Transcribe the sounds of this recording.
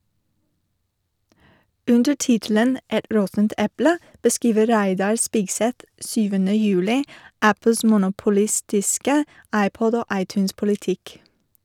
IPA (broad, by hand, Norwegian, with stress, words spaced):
ˈʉndə ˈʈɪtl̩ən ˈɛt ˈɾɔtn̩t ˈɛplə bəˈskiːʋə ˈɾæɪdɑɹ ˈspɪɡˌsɛt ˈsyːʋənə ˈjʉːlɪ ˈʔæpəls mʊnʊpʊˈlɪstɪskə ˈɑɪˌpɔd ˈoː ˈʔɑɪˌtʉːnspʊlɪˌtɪk